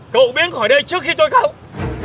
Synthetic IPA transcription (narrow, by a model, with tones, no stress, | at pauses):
kə̰˧˨wɓi˨˦ənxɔ˧˩jɗə˧jt͡ɕɨ˦˥ək̚xi˧t̪o˧jkaː˧˩w